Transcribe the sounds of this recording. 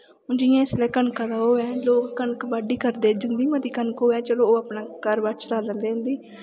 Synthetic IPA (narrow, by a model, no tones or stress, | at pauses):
ʊnd͡ʒɪjãːɪslɛːkəɳkãːd̪aːɦoːɛ̃ːloːkːəɳkbəɖiːkəɾd̪eːd͡ʒʊnd̪iːmət̪iːkənkɦoːɛ̃ːt͡ʃəloːapnaːkəɾbat͡ʃlaːlə̃nd̪eːʊnd̪iː